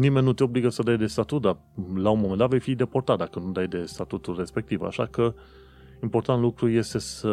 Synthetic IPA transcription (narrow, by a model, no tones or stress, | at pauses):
nimenʲːut̪eobliɡəsəd̪ajd̪e̞st̪at̪ut̪̚d̪a | launmomend̪at̪vejfid̪e̞port̪at̪̚d̪akənud̪ajd̪e̞st̪at̪ut̪ulre̞spe̞k̚t̪iva̰ʃa̰kə | impo̞rt̪ant̪lukɾuje̞st̪e̞sə